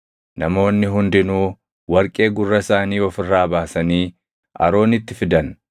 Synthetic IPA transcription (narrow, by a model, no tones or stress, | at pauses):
nɐmo̞ːnːɪɦʊnd̪ɪnuː | wɐɾkʼe̞ːɡʊrːɐsaːniːɔfɪrːaːbaːsɐniː | ʔɐ̰ɾo̞ːnɪt̪ːɪfɪd̪ɐn